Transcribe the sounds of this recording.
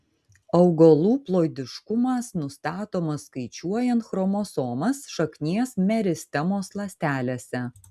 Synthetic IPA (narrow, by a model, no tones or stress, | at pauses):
ɐʊɡɐlˠuːplˠoːd̪ʲɪʃkʊmɐsnʊst̪ɑːt̪oːmɐskɐɪt͡ʃʲuɔjɛnt̪xɾɔmɔsoːmɐsʃɐknʲiɛsmʲɛɾʲɪsʲt̪ʲɛmoːslˠɐsʲt̪ʲæːlʲeːsʲɛ